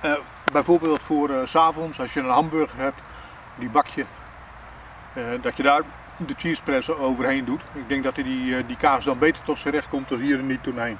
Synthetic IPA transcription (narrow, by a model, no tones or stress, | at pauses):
bɛjfoəbeːlˠtfoərsaːvɔnsɔsjənənɦɑmbørɣərhɛp̚t | dibakʰjə | dɔtʰjədaːr | dətʰiəsprɛsəoːwvərheːndutɪk̚ɡ̚dɪŋk̚dɔtidikaːsdɔnbeːtərtɔtsəɾɛxtkomtɔsiːəɾənitunɛjn